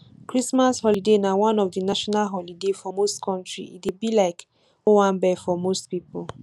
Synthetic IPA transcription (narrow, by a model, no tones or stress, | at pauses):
kɾismashɔlidenawãnɔfdinaʃɔnalɦɔlidefɔmostkʰɔ̃ntɹḭʔidebilaɪk | owam̩bɛfɔmostpipol